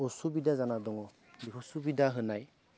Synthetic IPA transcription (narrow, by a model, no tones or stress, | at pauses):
ɔsubidazanadɔŋɔ | dikʰɔsubidaɦɯnaj